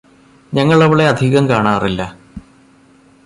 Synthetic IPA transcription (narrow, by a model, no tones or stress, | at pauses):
ɲɐŋːɐɭɐʋiɭe̞ɐd̪ʱiɣɐmkaːɳaːrilːɐ